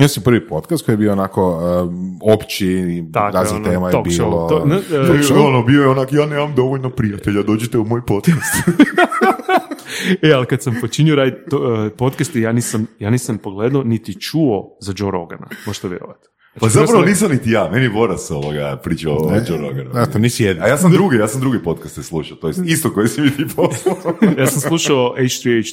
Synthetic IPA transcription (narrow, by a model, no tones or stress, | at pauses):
osimprʋipot̪kast̪kojebioonakoəopt͡ʃit̪aakɾaːznineːmaj̪okiʃolooaoonobiojeonakjaːnemamd̪o̞ʋoʎnopɾijat̪eʎad̪oːd͡ʒit̪eumoːjpot̪kast̪ | ealikad̪sampot͡ʃinioɾad̪opo̞t̪kast̪ejaːniːsamjaːniːsampo̞ɡled̪onit̪it͡ʃuozad͡ʒoɾo̰ɡa̰na̰moʒe̥t̪oʋjeɾo̰ʋa̰t̪ | pzapɾaʋoniːs̬amnit̪ijaːmeniebo̞ɾaso̰ʋoɡa̰pɾit͡ʃaoad͡ʒoɾo̰ɡant̪onisijed̪najaːsamd̪ɾuɡejaːsamd̪ɾuɡepo̞t̪kast̪eslˠuʃaot̪ojest̪ist̪okojesimit̪iːpʰoslajaːsamsslˠuʃaoʔejt͡ʃt̪ɾiejt͡ʃ